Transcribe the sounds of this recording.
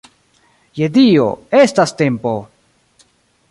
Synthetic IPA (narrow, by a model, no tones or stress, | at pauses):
jed̪io̰estaste̞mpo